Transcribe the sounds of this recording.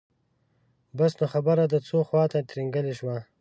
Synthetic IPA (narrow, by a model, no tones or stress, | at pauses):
basnoxabəɾad̪ət͡soxwɑt̪at̪ɾiŋɡəleʃwa